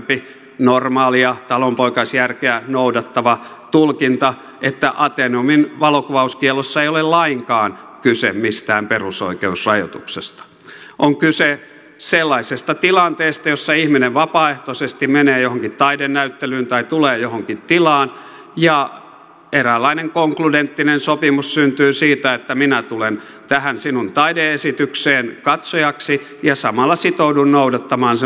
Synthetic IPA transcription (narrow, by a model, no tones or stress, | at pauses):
pi | normɑːliɑt̪ɑlompoikɑsjærkeænoudɑt̪ːɑʋɑ | t̪ulkint̪ɑ | et̪ːæʔɑt̪enominʋɑlokuʋɑuskiɛlosːɑeijolellɑiŋkɑːnkysemmist̪æːmperuso̰ikeusrɑjo̰t̪uksest̪ɑ̥ | ʔoŋkyse | selːɑisest̪ɑt̪ilɑnt̪eːst̪ɑjosːɑihmineʋʋɑpɑːeht̪osest̪immeneːjohoŋkit̪t̪ɑidennæyt̪ːelyːnt̪ɑit̪uleːjohoŋkit̪t̪ilɑːn | jɑ | erælːɑineŋkoŋkludent̪ːinensopimussynt̪yːsiːt̪æet̪ːæminæt̪ulen | t̪æhænsinunt̪ɑideesit̪ykseːnkɑt̪sojɑksi | jɑsɑmɑlːɑsit̪oudunnoudɑt̪ːɑmɑːnse